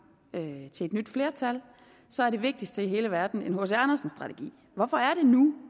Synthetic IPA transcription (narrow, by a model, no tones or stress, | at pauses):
øt͡sʰe̝led̥nyd̥fle̝ːɐt͡sʰæl | sɒ̽æɐɾ̥e̝ʋe̝ɡ̥̚d̥isd̥əiɦe̝ːləʋæɐd̥n̩enɦosænɐsn̩sd̥ʁɑ̈t͡sʰeɡ̥ḭː | ʋɒfɒ̽æɐɾe̝nu